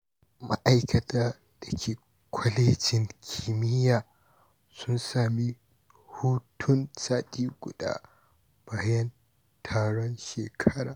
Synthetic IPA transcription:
ma̰˦ʔa˦jkʰɐ˨tʰaː˦ | d̥ɐ˨kʲʰeː˨ | kʷʰɔ˦leː˦d͡ʒɪ˨ŋkʲʰːi˨mɪ˦jaː˨ | sʊ˦nsaː˨mi˦ | huː˦tʰʊ˦nsaː˦tʼiː˦ɡʷʊ̰˨da̰ː˦ | b̥aː˦˨jɐ˦n | tʰaː˦˨ɽɔ˦nʃeː˨kʰɐ˦ɾa̰ː˨

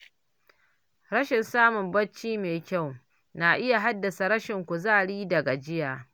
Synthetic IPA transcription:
ɾɐ˦ʃɪ˨nsaː˦mʊ˨mbɐ˦t͡ʃːiː˦meː˨kʲa˦˨w | na˨ʔɪ˦ja˨ɦa˦dːɐ˨sa˨ɾɐ˦ʃɪ˨ŋkʷu˨zaː˦˨ɽiː˦dɐ˨ɡa˨d͡ʒɪ˦jaː˨

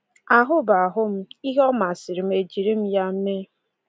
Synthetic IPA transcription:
a˨ɦʊ˦ba˨ɦʊ˦m̩˦i˦ɦɔ˦ma˨sɪ˨ɾi˨m̩˦e˨d͡ʒi˨ɾi˦m̩˦ja˦m̩˦me˦

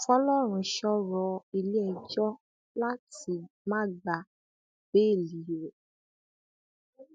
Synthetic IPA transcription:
fɔ˦lɔ˦˨ɾ̃ũ˧˨ʃɔ˦ɾɔ˧˦i˧li˦ɛ˧˨d͡ʒɔ˦ | la˦ti˧mã˦ɡ͡ba˨ | b̥e˦e˦˨li˨˦˨ɾe˨

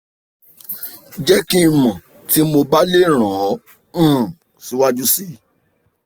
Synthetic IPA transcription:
d͡ʒɛ˦kĩ˦i˨mɔ̃˨ | ti˨˦mo˧ba˦le˦˨ɾ̃ɔ̃˨˦˨ | si˨˦wa˦d͡ʒu˦si˦˨

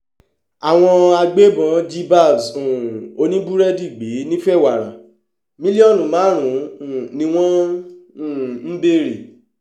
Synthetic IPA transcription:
a˨w̃ɔ̃˧a˧ɡ͡be˦bɔ̃˨˦d͡ʒi˦ba˦˨sũ˨o˧˦nĩ˦bu˦ɾɛ˦di˦˨ɡ͡be˨˦nĩ˦fɛ˦˨wa˨ɾ̃ã̰˨ | mĩ˦li˦ɔ˦˨nũ˨mãː˨˦ɾ̃ũ˨˦˨nĩ˧˦w̃ɔ̃˦ũ˦˨m̩˦be˦˨ɾi˨

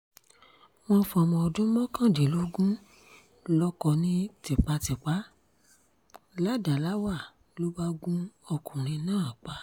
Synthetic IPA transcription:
w̃ɔ̃˧fɔ˧mɔ̃˧ɔ˧dũ˦mɔ̃˦kã˦˨de˨lo˨˦ɡũ˦ | lɔ˧kɔ˧nĩ˦ti˨k͡pa˧˦ti˨k͡pa˨˦ | la˦˨da˨la˨˦wa˦˨ | lo˦ba˦ɡũ˦ɔ˧kũ˨ɾ̃ĩ˧nãː˦˨k͡pa˨˦

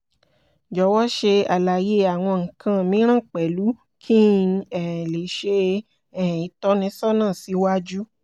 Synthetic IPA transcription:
d͡ʒɔ˨˦wɔ˦ʃe˧a˨la˨je˦a˨w̃ɔ̃˧ŋ̩˨kʰã˧mĩ˨˦ɾ̃ã˦˨k͡pɛ˨lu˨˦ | kʰĩ˦ɛ̃˨le˨˦ʃe˧ | ɛ̃˨i˨˦tɔ˨˦nĩ˨˦sɔ˦nãː˦˨si˨˧˦wa˦d͡ʒu˦

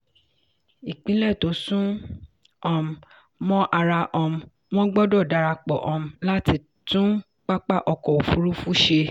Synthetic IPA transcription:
i˨k͡pĩ˨˦lɛ˦˨to˨˦sũ˦ | ɔ̃˧˨m̩˨ | mɔ̃˦ʔa˧ɾa˧ʔɔ˧m̩˨ | w̃ɔ̃˦ɡ͡bɔ˦dɔ˦˨da˨˧ɾa˧k͡pɔ˨ʔɔ̃˨m̩˨la˦ti˦˨ | tũ˦ | k͡pa˦k͡pa˦ʔɔ˧kɔ˨o˨fu˨˦ɾu˦fu˦ʃe˧

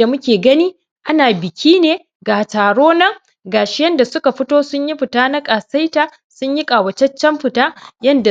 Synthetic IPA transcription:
da˨mʊ˦kʲeː˨ɡɐ˦niː˦ | ʔa˦naː˨bɪ˨kʲʰiː˦neː˨ | ɡaː˨taː˨ɽoː˦nɐ˦ŋ | ɡaː˨ʃɪ˦jɐ˦nda˨sʊ˦ka˨ɸɪ˦toː˦sʊ˦ɲji˦ɸɪ˨taː˦na˦kʼaː˨sa˦jtaː˨ | sʊ˦ɲji˦kʼaː˨wɐ˨t͡ʃɐ˦t͡ʃːɛ˦mɸɪ˨taː˦jɐ˦nda˨

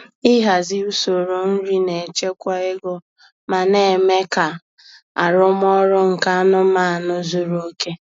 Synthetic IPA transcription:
ɪ˦ɦa˨zɪ˦u˦so˨ɾo˨n̩˦ɾi˦ne˨t͡ʃe˦kʷa˦ɪ˦ɡɔ˦ | ma˨ne˦˨me˦ka˨ | a˨ɾʊ˦m˦ɔ˦ɾʊ˦ŋ̩˨ka˦a˦nʊ˦ma˦a˨nʊ˦zu˦ɾo˦ke˦

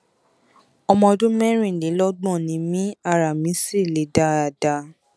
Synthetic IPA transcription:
ɔ˧mɔ̃˧dũ˦mɛ˦ɾ̃ĩ˦˨le˨˦lɔ˦ɡ͡bɔ̃˦˨nĩ˨˧˦mĩ˦a˧˨ɾa˨mĩ˨˦si˦˨le˨˦da˧˦a˨da˧

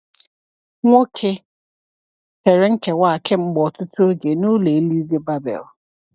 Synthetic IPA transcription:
ŋɔ̃˦kʰɪ˦ | tʰɛ˨ɾɪ˦ŋ̩˦kʰɛ˨wa˦a˨kʰɪ̃˦m̩˦bɔ˨tʰʊ˦tʰʊ˦ɡe˨nʊ̃˦le˨˦li˦de˦ba˦bɛ̰˨l

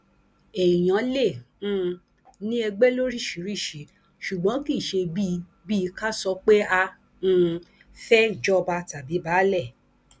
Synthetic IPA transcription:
e˨i˨j̃ã˨˦lẽ˦˨˦ | nĩ˦ɛ˧ɡ͡bɛ˦lo˦ɾi˦˨ʃi˨˦ɾi˦˨ʃi˨˦ | ʃu˨ɡ͡bɔ̃˨˦ki˦˨ʃe˧bi˦ | bi˦˧ka˦sɔ˧˦k͡pe˦ã˧˦˨ | fɛ˦d͡ʒɔ˦˧ba˧ta˨bi˨˦baː˨˦lɛ˦˨

